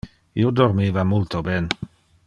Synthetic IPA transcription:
ḭod̪oɾmiːvamult̪obɛːn

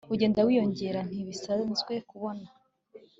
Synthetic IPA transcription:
uɟe̞ːndawiːjo̞ɲɟe̞ɾan̥iβisazɡwe̞kuβo̞na

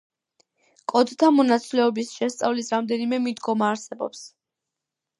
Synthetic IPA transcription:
kʼɔd̪t̪ʰamɔnat̪sʰʼlɛɔbisʃɛst̪sʼavlisɾamd̪ɛnimɛmid̪ɡɔmaːɾsɛbɔ̰ps

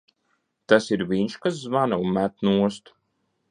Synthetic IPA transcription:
t̪asiɾvʲiɲʃkas̬zmanaunmæt̪nuɔst̪u̥

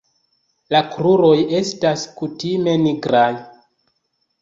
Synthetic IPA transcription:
lakɾuɾo̞je̞staskutime̞niɡɾaj

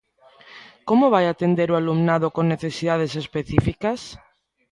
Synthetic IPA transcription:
komoβ̞ajat̪end̪eɾoalumnað̞okoŋneθesiðað̞esespeθifikas

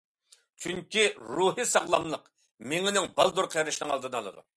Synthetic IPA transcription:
t͡ʃʰyŋkʲiɾuɦɨsɑʁlˠɑmlˠəq | meŋɪnɪŋbɑlˠd̪uɾqʰjɾɨʃnɪŋɑlˠd̪ɨnɑlˠɨ̰d̪ṵ

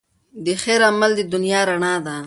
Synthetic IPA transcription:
d̪əxeɾamald̪əd̪ʊnjɑːɾaɳɑd̪a

